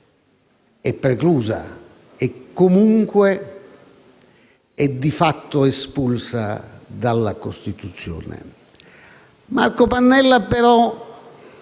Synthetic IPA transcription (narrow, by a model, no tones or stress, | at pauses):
ɛpːɾekluːza̰ | ekːomuŋkwe | ɛd̪ːifat̪ːʊespulsa̰d̪alːakost̪it̪ut̪sːjo̰ːnḛ | markopanːɛlːapeɾɔ